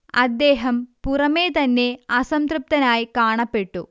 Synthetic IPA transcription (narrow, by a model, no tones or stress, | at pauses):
ɐ̰d̪ːe̞ːɦɐmpurɐme̞ːt̪ɐnːe̞ɐsɐmt̪rɨp̚t̪ɐnaːjikaːɳɐpːe̞ʈːu